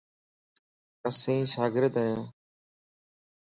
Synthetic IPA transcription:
kəsĩːʃaːɡɪɾt̪ɛ̃

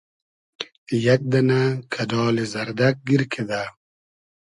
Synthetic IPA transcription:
jak̚d̪anakʰad̪ɔːlizaɾd̪ak̚ɡiɾkʰed̪a

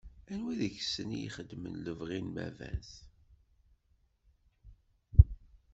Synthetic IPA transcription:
ænwæðəçsənijḭχəd̪ːmə̰nləvʁinmæ̰væ̰ns

